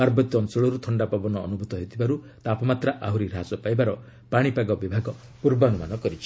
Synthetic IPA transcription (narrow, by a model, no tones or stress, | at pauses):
paɾbɔt̪ɔnsɔɭɔɾut̪ʰɔɳɖapabɔnɔ̰ːnubʱut̪ɔɦet̪ʰibaɾu | t̪apɔmat̪ɾaʔaɦuɾiɾasɔpajbaɾɔ | paɽ̃ipaɡɔbibʱaɡɔ | puɾbɔnumanɔkɔɾit͡ʃʰi̥